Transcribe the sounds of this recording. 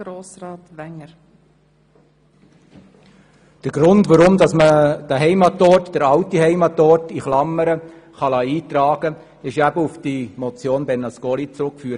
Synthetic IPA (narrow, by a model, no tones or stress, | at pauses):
ɾoːsrɑːtʋɛŋəɾ | d̪̥əɡ̥ɾʊndʋaɾʊmdɑsməd̥əɦɛɪmɑtɔɾtd̥əɾɑwtiɦɛɪmɑtɔɾtiχlɑmːəɾə | χɑlɑiːt̪rɑːɡ̥ə | ɪʃæbəufd̥imɔt͡sjoːnbɛnːɑskolit͡sɾʊkfyːɾ